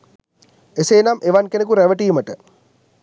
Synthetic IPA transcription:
eseːnamʔeʋankenek̬uɾæʋəʈiːməʈə

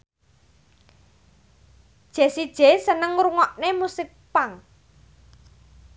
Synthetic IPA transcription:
d̥ʒ̥esid̥ʒ̥esənəŋɾuŋɔʔnemusɪk̚paŋ

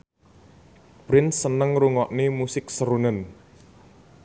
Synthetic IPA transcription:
b̥ɾɪnsənəŋɾuŋɔʔnimusɪk̚səɾunən

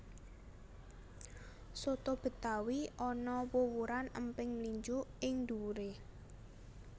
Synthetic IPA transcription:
sot̪ob̥ə̤t̪awiʔɔnɔwowuɾanəmpɪŋliɲd͡ʒʊʔɪŋd̪uɾe

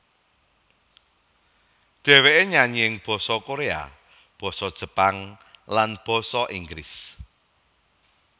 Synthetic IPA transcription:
ɖ̪̥ɛ̤weʔeɲaɲiɪŋb̥ɔ̤sɔkoɾea̰ | b̥ɔ̤sɔd̥ʒ̥ə̤paŋ | lanb̥ɔ̤sɔʔiŋɡlis

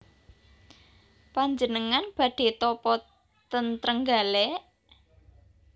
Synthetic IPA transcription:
paɲd͡ʒənəŋanb̥ä̤ɖ̥e̤t̪ɔpɔ | t̪ənt̪ɾəŋɡale

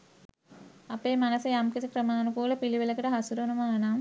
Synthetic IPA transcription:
ɐpeːmɐnɐsɐjaːmkit̪ikɾɐmaːnukuːlɐpiliʋilɐkiʈɐɦɐsuɾonumaːnaːm

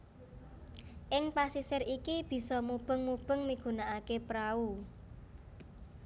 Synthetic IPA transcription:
ʔɪŋpasisɪɾikib̥i̤sɔmub̥ə̤ŋmub̥ə̤ŋmiɡ̥ṳnaʔakepɾau

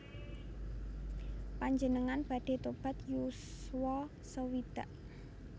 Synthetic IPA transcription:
paɲd͡ʒənəŋanb̥a̤ɖ̥e̤t̪ob̥a̤t̪juswɔ | səwid̪̥a̤ʔ

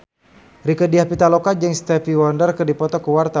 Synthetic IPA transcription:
rikədiahpit̪alɔkad͡ʒɛŋst̪ɛfiwɔndərkərdipɔt̪ɔkəwart̪a

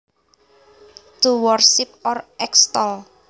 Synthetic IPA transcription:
d̥uwɔrsɪp̚ɔrɛkst̪ɔl

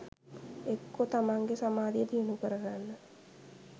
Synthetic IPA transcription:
ekːot̪amaŋɡesamaːd̪ijət̪ijənukəɾəɡanːə

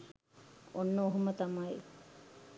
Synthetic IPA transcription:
onːəoɦumət̪amai

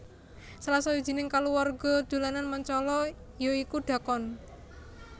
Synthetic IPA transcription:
salasɔwid̥ʒ̥i̤nɪŋkaluwarɡ̥ɔ̤d̪̥o̤lananməɲt͡ʃɔlɔ | joikuɖ̪̥a̤kɔn

